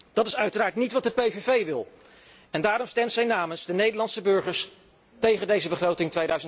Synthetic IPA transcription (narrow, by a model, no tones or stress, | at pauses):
d̥ɑtɪsœɥtəraːɹtnitʋɑt̚dəpejvevejʋɪlˠ | ɛndaːɾɔmstɛmtsɛjnaːmənzdənejdəlɑntsəbɵɹχəɹs | tejχəndejzəbəχrowtɪŋtʋejdœɥzən